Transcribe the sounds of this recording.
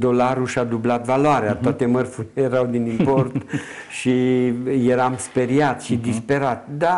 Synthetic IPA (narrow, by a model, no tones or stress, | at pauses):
d̪o̞laɾuʃad̪ublat̪valoaɾeat̪oat̪e̞mərfuɾilejeɾawd̪inimpo̞rt̪ | ʃije̞ɾamspe̞ɾiat̪ʃid̪ispe̞ɾat̪d̪a